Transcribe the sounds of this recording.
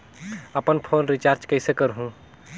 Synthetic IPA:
əpənpʰoːnɾit͡ʃaɾt͡ʃkəɪsekəɾɦũ

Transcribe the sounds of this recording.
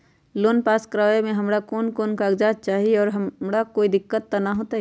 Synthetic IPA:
loːnpaːskɾaːemẽɦɐmɾakoːnkoːnkaɡd͡ʒaːd͡ʒ̚t͡ʃaːɦieɔːɾɦɐɾakoːid̪ɪkːət̪ːanaɦoːt̪aɦ

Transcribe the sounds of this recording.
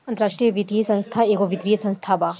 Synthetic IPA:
ɐ̃nt̪əɾaːʂʈɾijɐʋit̪ɾijsɐ̃nst̪ʰaeːkoʋit̪ɾijəsɐ̃nst̪ʰaːba

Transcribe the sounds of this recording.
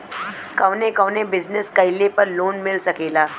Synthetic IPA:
kəʋnekəʋnebɪznəskɐɪlepəɾloːnmɪlsɐkeːlaː

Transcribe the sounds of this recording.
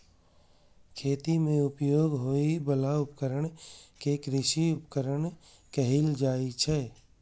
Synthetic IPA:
kʰeːt̪imẽʊpjoːɡɦoːibəlaʊpkəɾəɳ̃kekɾɪʃiʊpkəɾəɳ | kəɦɪld͡ʒaːit͡ʃʰɛː

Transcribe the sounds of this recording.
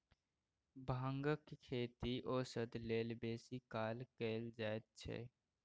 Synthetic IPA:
bʱaŋɡəkkʰeːt̪iʔoːsəd̪leːlbeːsikaːlkeːld͡ʒaːet̪̚t͡ʃʰɛ̰ː

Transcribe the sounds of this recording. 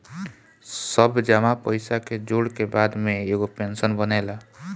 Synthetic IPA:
səbʱd͡ʒamapəjsaked͡ʒoɽkebad̪meeɡopensənbənɛla

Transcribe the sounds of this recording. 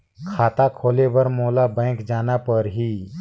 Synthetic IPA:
kʰaːt̪akʰoːlebɐɾmoːlabɛ̃ːkd͡ʒaːnapəɾɦiː

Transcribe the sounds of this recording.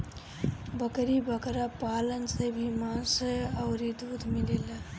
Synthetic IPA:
bəkɾibəkɾapalənsebʱimasəəwɾid̪ud̪ʱmilela

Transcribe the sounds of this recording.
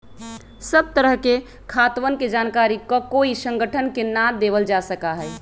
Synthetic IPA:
səb̚t̪əɾəɦke | kʰat̪ʋənked͡ʒankaɾikɔkoisə̃ŋɡəʈʰənkenad̪ebəld͡ʒasəkaɦɛɛ

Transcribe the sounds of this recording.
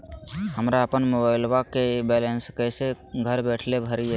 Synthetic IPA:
həmɾaəpənmobaɪlʋakebɛlenskəjse | ɡʱəɾbɛʈʰlebʱəɾie

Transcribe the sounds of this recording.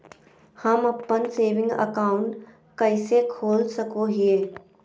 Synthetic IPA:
hɐmɐpːənseːʋɪ̃ŋɡə̰kaːʊ̃ɳʈ | kɐɪsekʰoːlsɐkoɦieː

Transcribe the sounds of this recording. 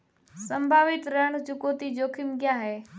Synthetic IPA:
sə̃mbʱaːʋɪt̪ɾəɽ̃d͡ʑʊkoːt̪id͡ʑoːkʰɪmɡɪjaɦeː

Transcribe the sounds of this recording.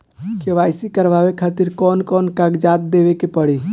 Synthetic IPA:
keʋajsikəɾʋawekʰat̪iɾkɔːnkɔːnkaɡd͡ʒaːt̪̚d̪eʋekepəɽi

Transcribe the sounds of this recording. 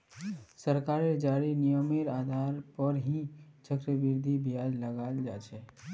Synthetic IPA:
səɾkaɾed͡ʒaːɾinijəmeɾaːd̪ʱaɾpəɾɦit͡ʃəkɾəbɪɾd̪ʱibʱijad͡ʒləɡald͡ʒa̰ːt͡ʃɛ

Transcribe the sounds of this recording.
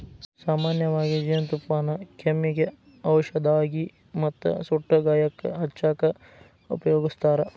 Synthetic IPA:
saːmaːnjɐʋaːɡid͡ʒɐjɐnt̪upmaːnɐkʰemːiɡe | ɐwʃɐd̪aːɡi | mɐt̪ːṵsuʈːɐɡaːjɐkːɐ̰ɦɐt͡ʃːaːkɐ | ṵpɐjoːɡist̪aːɾɐ

